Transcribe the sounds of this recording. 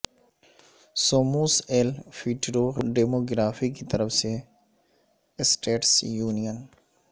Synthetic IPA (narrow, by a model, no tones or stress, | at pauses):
soːmuːseːlfiːʈɾoːɾɖeːmoːɡɾaːfikit̪ɐɾəfse | sʈeːʈsjuːnijən